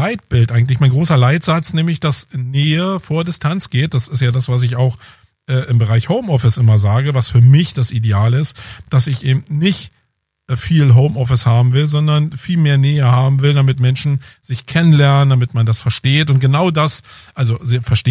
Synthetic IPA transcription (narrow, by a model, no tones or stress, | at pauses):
aɪt̚b̥ɪltʔaɪɡŋ̩t̬lɪçmaɪnɡʁoːsɐlaɪtz̥at͡snɛːmlɪçd̥asnɛːəfoːɐdɪstʰant͡sɡ̥eːt̚d̥asɪstjaːdasv̥as̬ɪçaʊx | ʔɛːʔɪmbəʁaɪçhoʊmʔɔfɪsʔɪmɐzaːɡəvasfyːɐmɪçd̥asideaːlɪstd̥asɪçʔeːbm̩tnɪçtː | fiːlɦoʊmʔɔfɪshaːbm̩vɪlzɔndɐnfiːlmeːɐnɛːəhaːbm̩vɪldamɪtmɛnʃn̩z̥ɪçkʰɛnənlɛɐnənd̥amɪtmandasfɛɐʃteːtʊnt̚ɡ̥ənaʊdasʔalzozɪfɛɐʃteː